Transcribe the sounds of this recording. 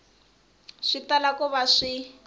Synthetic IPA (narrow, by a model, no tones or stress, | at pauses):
ʂitalakɔβaʂi